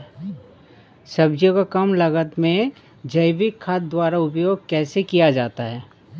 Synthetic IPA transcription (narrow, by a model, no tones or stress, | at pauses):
sɐbd͡ʒjõkakɐmlɐɡət̪mẽ | d͡ʒɐɪbikʰːaːt̪̚d̪waːɾaʊpjoːɡ̚kɛːsekijad͡ʒaːt̪aɦɛː